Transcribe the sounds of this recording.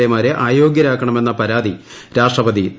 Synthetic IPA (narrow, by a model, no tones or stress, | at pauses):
emaːɾeʔaːjo̞ːɡjɐɾaːkːɐɳɐme̞nːɐpɐɾaːd̪iɾaːʂʈrɐbɐd̪i